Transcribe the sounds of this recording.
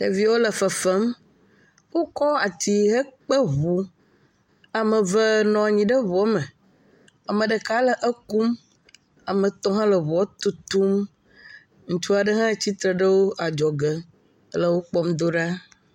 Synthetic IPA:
e˨vi˦wo˦lə˨fə˨fə˦m | wo˦kɔ˦a˨t̪i˦ɦə˦k͡pə˦ɦu˦ | a˨mə̃˨və˦nɔ̃˨a˨ɲĩ˨ɖə˦βɔ˨˦mə˨ | a˨mə̃˨ɖə˨ka˦lə˨ʔə˦ku˦m | a˨mə̃˨t̪ɔ̃˦ɦã˦lə˨βɔ˦t̪u˦t̪u˦m | ŋ̩˦t͡ʃu˦a˨ɖə˦ɦã˦e˨t͡ɕi˦t̪ɾə˨ɖə˦wo˦ʔa˨d͡ʒɔ˨ɡə˨˦ | lə˨wo˦k͡pɔ˦md̪o˦ɖa˦

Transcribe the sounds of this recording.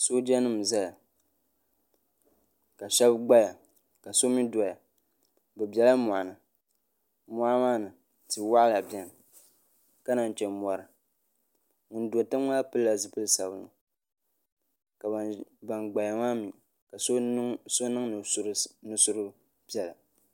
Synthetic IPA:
so˦d͡ʒɛ˦nɨ˦m˨za˦a˨ | ka˨ʃɛ˦bɡ͡ba˦ja˨ | ka˨so˦mi˦dɔ˨ja˨ | bɨ˨bjɛ˨la˦mu˨a˨nɨ˨ | mɔ˦a˦maː˦nɨ˨ | tɨ˨wa˦la˨bjɛ˨n˨ | ka˦na˨n˨t͡ʃɛ˨mɔ˨ɾɨ˨ | ŋʊ˨n˦do˨ta˦m˦ŋa˦a˦pɨ˦a˨zɨ˦pɨ˦lsa˨bɨ˨nɨ̰˨ | ka˨ba˨ba˨nɡ͡ba˨ja˨maː˦mi˨ | ka˨so˦so˦nɨ˦ŋn˨˦ɾnɨ˦sʊ˦ɾɨ˦ | b̥ɛ˨la˨

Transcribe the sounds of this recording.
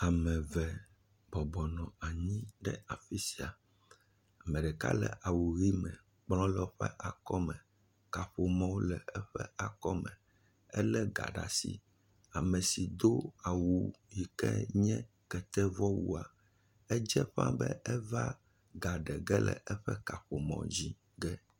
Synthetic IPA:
a˨mɛ̃˨vɛ˨ | bɔ˨bɔ˨nɔ̃˨a˨ɲĩ˦ɖɛ̰˦a˨fi˦si˨a˨ | a˨mɛ̃˨ɖɛ˨ka̰˦lɛ̰˨ʔa˨wu˨ɣi˦mɛ̃˨ | k͡plɔ̃˦lɛ˦ɸɛ̰˦ʔa˨kɔ˦mɛ̃˨ | ka˨ɸo˨mã˦wo˦lɛ˨ɛ˦ɸɛ̰˦a˨kɔ˦mɛ̃˨ | ɛ˦lɛ˦ɡa̰˨ɖa̰˨sḭ˨ | a˨mɛ̃˨si˨d̪o˦a˨wu˨ji˨kɛ̰˦ɲɛ̃˦ | kɛ˨t̪ɛ˦vɔ˦wṵ˦a˨ | ɛ˦d͡ʒɛ˦ɸã̰˦bɛ̰˦ʔɛ˦va˦ | ɡa˨ɖɛ˨ɡɛ˦lɛ̰˨ʔɛ˦ɸɛ˦ka˨ɸo˨mɔ̰̃˨d͡ʑi˦ | ɡɛ˦

